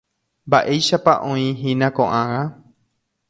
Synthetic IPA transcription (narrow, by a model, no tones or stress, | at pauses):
mba̰ʔe̞jʃapaʔõĩɦĩnãkõ̞̰ʔãwa